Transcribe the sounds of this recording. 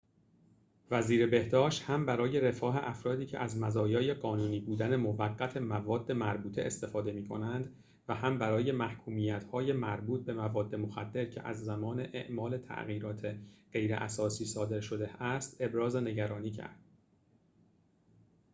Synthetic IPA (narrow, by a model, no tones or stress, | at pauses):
væziːɾebe̞hd̪ɒːʃt̪hæmbæɾɒːje̞ɾe̞fɒːɦe̞ʔæfɾɒːd̪iːcʰeʔæzmæzɒːjɒːje̞ɢɒːnuːniːbuːd̪æne̞movæɡːæt̪ʰe̞mævɒːd̪ːemæɾbuːt̪ʰe̞̰ʔest̪e̞fɒːd̪e̞miːkʰo̞nænd̪ | væhæmbæɾɒːje̞mæhkʰuːmiːjæt̪hɒːje̞mæɾbuːt̪̚be̞mævɒːd̪ːe̞moxæd̪ːe̞ɾcʰe̞̰ʔæ̰zːæmɒːneʔeʔmɒːle̞t̪ʰæ̰ʔɣiːɾɒːt̪ʰe̞ɢ̥e̞jɾḛʔæ̰sɒːsiːsɒːd̪e̞ɾʃo̞d̪e̞æst̪e̞bɾɒːze̞ne̞ɟæɾɒːniːcʰæ̰ɾd̪̥